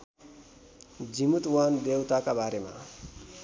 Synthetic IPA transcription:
d͡zimut̪wand̪ewt̪akabaɾema̰

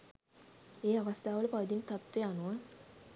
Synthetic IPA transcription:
eːaʋast̪ʰaːʋəɭəpaʋid̪int̪at̪ʋeanuʋə

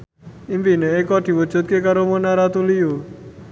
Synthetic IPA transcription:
imbineekɔʈʰiʋət͡ʃot̪̚kekaɾomonaɾat̪ulijo

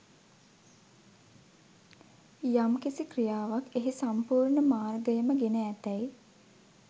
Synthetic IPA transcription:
jamkisikrijaːʋakeɦisampuːɾɳəmaːɾɡ̪ejəməɡenəæt̪æj

